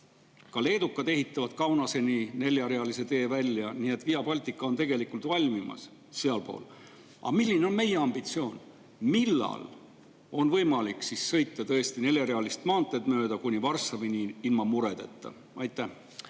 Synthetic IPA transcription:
kɑle̞ːd̪ukːˑɑd̪e̞ɦit̪ˑːɑvɑd̪̥kɑwnɑse̞nine̞ljɑɾeɑlise̞t̪e̞ːvælʲːjɑnie̞t̪vijɑpɑlʲt̪ˑikːˑɑo̞nt̪e̞ɡ̥e̞likːˑult̪vɑlʲmimɑ̰s | seɑlpo̞̰ːl | ʔɑ̰milʲːine̞o̞nmeje̞ɑmb̥it̪sio̞ːn | milːɑ̰l | o̞nvɤjmɑliksissɤ̞jt̪ːˑɑt̪ɤ̞e̞st̪ine̞ljɑɾeɑlist̪mɑːnt̪ːˑed̪møːd̪ɑkunʲivɑrsːɑvinʲiilmɑmuɾe̞d̪̥e̞t̪ˑːɑ̰ | ʔɑjt̪ːˑæh

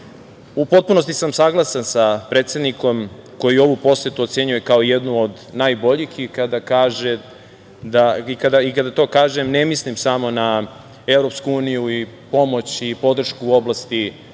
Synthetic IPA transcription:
upo̞t̪̚puno̞st̪isamsaɡlˠasansapɾet̪sed̪niko̞mko̞jio̞ʋupo̞set̪uo̞t̪se̞ɲujekao̞ijed̪nuod̪naːjbo̞ʎixikad̪akaːʒe | d̪aikad̪aikad̪at̪o̞ːkaːʒemnemislimsamo̞na | e̞vɾo̞pskuuːnijui | po̞mo̞t͡ɕipo̞d̪r̩ʃkuo̞blast̪i

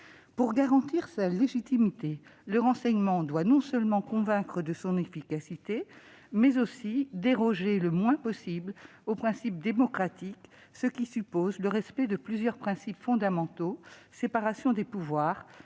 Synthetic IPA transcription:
puʁɡaʁɑ̃t̪iʁsaleʒit̪imit̪eləʁɑ̃sɛɲmɑ̃d̪wanɔ̃sœlmɑ̃kɔ̃vɛ̃kχəd̪əsɔ̃nefikasit̪e | mɛzosid̪eʁɔʒeləmwɛ̃pɔsibl | opχɛ̃sip̚d̪emɔkχat̪iksəkʲisypozləʁɛspɛd̪əplyzjœʁpχɛ̃sipfɔ̃d̪amɑ̃t̪osepaʁasjɔ̃d̪epuvwaːʁ

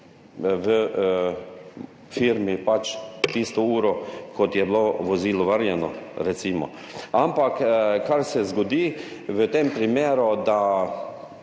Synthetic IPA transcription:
ʋə | fiɾmipat͡ʃt̪ist̪ɔuːɾokot̪jɛbloʋoziːlɔʋəɾjɛnɔ̰ɾɛt̪siːmɔ̰ | ampakkaɾsɛzɡod̪iːʋət̪empɾimeːɾud̪a

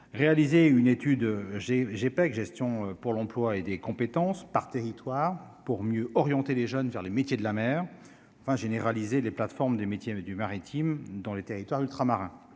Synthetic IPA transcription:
ʁealizeynet̪yd̪ʒeʒepɛkʒɛst̪jɔ̃øpuʁlɑ̃plwaed̪ekɔ̃pet̪ɑ̃spaʁt̪eʁit̪waːʁpuʁmjøɔʁjɑ̃t̪eleʒœnvɛʁlemet̪jed̪lamɛːʁ | ɑ̃fɛ̃ʒeneʁalizeleplat̪fɔʁmd̪emet̪jed̪ymaʁit̪ʰimd̪ɑ̃let̪eʁit̪waʁylt̪χamaʁɛ̃

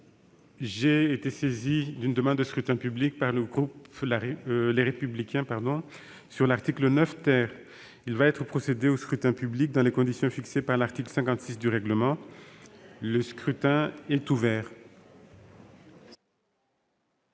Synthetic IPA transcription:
ʒeːt̪esezid̪ynd̪əmɑ̃d̪ːəskχyt̪ɛ̃pyblik̚paʁləɡʁuplaleʁepyblikʲɛ̃paʁd̪ɔ̃ | syʁlaʁt̪iklənœft̪ɛʁ | ilvaɛt̪χəpχɔsed̪eoskχyt̪ɛ̃pyblik̚d̪ɑ̃lekɔ̃d̪isjɔ̃fiksepaʁlaʁt̪iklsɛ̃kɑ̃t̪sisd̪yʁɛɡləmɑ̃ | ləskχyt̪ɛ̃ɛt̪uvɛːʁ

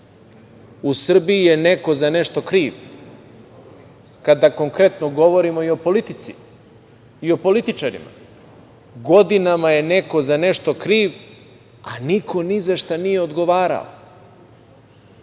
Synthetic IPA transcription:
usr̩bijije̞ne̞ko̞zane̞ʃt̪o̞kɾiːʋ | kad̪ako̞ŋkɾe̞t̪no̞ɡo̞ʋo̞ɾimo̞io̞po̞lit̪it̪si | io̞po̞lit̪it͡ʃaɾḭma̰ | ɡo̞d̪inamaje̞ne̞ko̞zaneʃt̪o̞kɾiːʋ | anikʰo̞nizaʃt̪anije̞od̪ɡo̞ʋaːɾa̰o̰

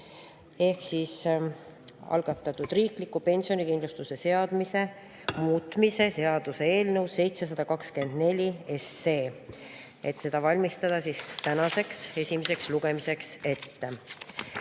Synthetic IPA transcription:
e̞hksis | ɑ̰lɡ̥ɑt̪ːˑɑt̪ːˑud̪̥riːklikːˑupe̞nʲsio̞nikind̪lust̪use̞se̞ɑd̪̥mise̞ | muːt̪ːˑmise̞se̞ɑd̪̥use̞e̞ːlnɤwsːe̞jt̪se̞s̬ɑd̪̥ɑkɑkske̞nd̪̥ne̞lʲie̞sːe̞ː | e̞t̪ːse̞d̪̥ɑvɑlʲmist̪ɑd̪̥ɑsist̪ænɑse̞kse̞sʲimese̞ksluɡ̥e̞mise̞kse̞t̪ːe

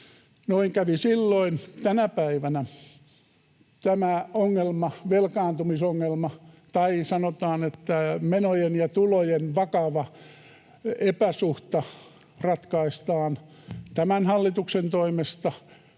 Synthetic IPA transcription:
noiŋkæʋisilːoint̪ænæpæiʋænæ | t̪æmæoŋːelmɑʋelkɑːnt̪umisoŋːelmɑ | t̪ɑisɑnot̪ɑːnet̪ːæmenojenjɑt̪ulojenʋɑkɑʋɑ | epæsuht̪ɑ | rɑt̪kɑist̪ɑːn | t̪æmænhɑlːit̪uksent̪oimest̪ɑ

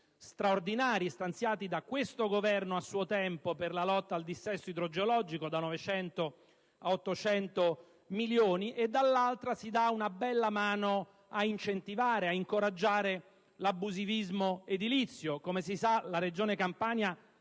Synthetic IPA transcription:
st̪ɾaord̪inaːɾiest̪ant̪sjaːt̪id̪akwest̪oɡovɛrnoasːuːot̪ɛmpoperlalɔt̪ːaːld̪isːɛsːoid̪ɾod͡ʒeolɔd͡ʒikod̪anɔvet͡ʃɛnt̪o | aot̪ːot͡ʃɛnt̪o | miljoːniʔed̪ːalːalt̪ɾasid̪aunabɛlːamaːno | aint͡ʃent̪ivaːɾeaiŋkoɾad͡ʒːaːɾe | labːuzivizmoed̪ilit̪sːjokomes̬isalaɾed͡ʒoːnekampaːnja

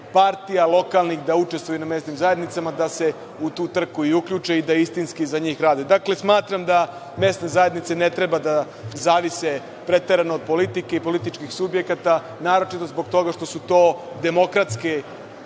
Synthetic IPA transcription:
paɾt̪ijalˠo̞kalˠnixd̪aut͡ʃest̪vʋojuname̞st̪nimzaje̞d̪nit̪samad̪ase̞ | ut̪uːt̪r̩kuiukʎut͡ʃeid̪aist̪inskizaɲiːxɾaːd̪ed̪akle̞smaːt̪ɾamd̪a | me̞st̪ne̞zajed̪nit̪se̞ne̞t̪ɾebad̪a | zaːʋise | pɾe̞t̪e̞ɾanoːd̪̚po̞lit̪ikeipo̞lit̪it͡ʃkixsubje̞kat̪a | naːɾo̞t͡ʃit̪o̞zboɡ̚t̪o̞ɡaʃt̪o̞sut̪o̞ː | d̪e̞mo̞kɾat̪ske

